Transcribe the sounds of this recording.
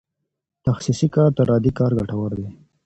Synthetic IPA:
t̪axsisikɑːɾt̪aɾɑd̪ikɑːɾɡaʈawaɾd̪e

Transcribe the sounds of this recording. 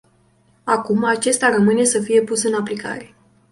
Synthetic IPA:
akumat͡ʃe̞st̪aɾəmɨne̞səfije̞pusɨnaplika̰ɾe̞

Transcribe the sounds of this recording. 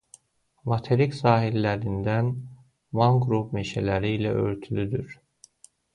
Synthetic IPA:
mat̪ʰeɾicsaːɦilʲːæɾind̪æn | vaŋɡɾupmeʃelʲæɾiːlæʔø̰ɾt̪ʰylʲyd̪yɾ̥

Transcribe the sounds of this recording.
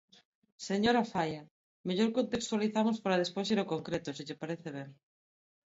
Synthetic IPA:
seɲoɾafaja | meʎoɾkont̪ekst̪waliθamʊspaɾaðespojsiɾokoŋkɾet̪ʊsɪʎepaɾeθeβ̞eŋ

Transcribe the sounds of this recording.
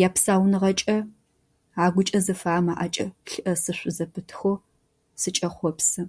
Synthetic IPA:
jaːpsaːwnɨʁɐt͡ʃʼɐ | aːɡʷʊt͡ʃʼɐzɨfaːmaːʔat͡ʃʼɐɬɨʔɐsɨɕʷʊzɐpʰɨtʰxʷoː | sɨt͡ʃʼɐχʷɔpsɨ

